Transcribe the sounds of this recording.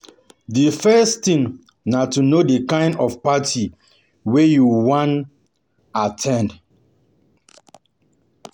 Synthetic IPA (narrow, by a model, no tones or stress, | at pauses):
difɛstĩŋ | natunodekãɪ̃ndɔfpatʰi | wejuwãn | atʰɛ̃nd